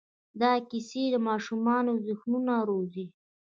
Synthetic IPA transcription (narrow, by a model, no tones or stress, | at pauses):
d̪ɑkised̪əmɑʃumɑnozʊxnunaɾozi